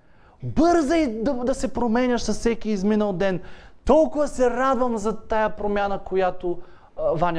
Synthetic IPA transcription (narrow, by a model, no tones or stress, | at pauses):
bɤɾzɐid̪ɐd̪ɐsɛpɾomɛnʲɐʃsɐssɛkiːzminəlˠd̪ɛnt̪ɔlˠkʊvɐsɛɾad̪vəmzɐt̪ajəpɾomʲjanəkojat̪o | vanʲ